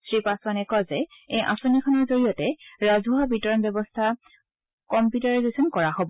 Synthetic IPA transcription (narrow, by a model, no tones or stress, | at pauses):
sɹipasmanɛkɔzɛ | ejʔa̰sonikʰɔnɔɹzoɹijɔtɛɹazuɦabitɔɹɔnbɔbɔstʰa | kɔmpjutaɹɛzosɔnkɔɹaxɔbɔ